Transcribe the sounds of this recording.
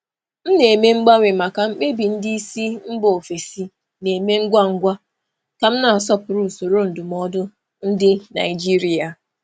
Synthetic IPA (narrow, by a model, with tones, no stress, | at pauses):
m̩˦ne˨me˦ŋ͡m̩˦ɡ͡ba˦ŋʷe˨ma˨ka˨ŋ͡m̩˦k͡pe˦bi˨n̩˦di˦i˦si˦m̩˦bo˨o˨fe˨si˦ | ne˨me˦ŋ̩˦ɡʷa˦ŋ̩˦ɡʷa˦ | ka˨m̩˦na˨s̬ɔ˦pʊ˨ɾu˦˨so˨ɾo˦n̩˨dʊ˨m˦ɔ˦dʊ˦ | n̩˦dɪ˦na̰˨ɪ˨d͡ʒi˦ɾi˦a˨